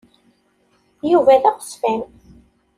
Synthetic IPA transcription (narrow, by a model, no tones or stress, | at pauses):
juvæðæʁə̥sfæn